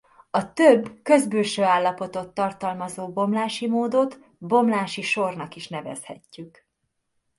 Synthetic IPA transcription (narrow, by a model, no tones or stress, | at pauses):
ɒt̪øbːkø̞zbøːlʃøːaːlːɒpo̞t̪o̞t̪ːɒrt̪ɒlmɒzoːbo̞mlaːʃimoːd̪o̞t̪ | bo̞mlaːʃiʃo̞rnɒkiʃnɛvɛ̰shɛcːyk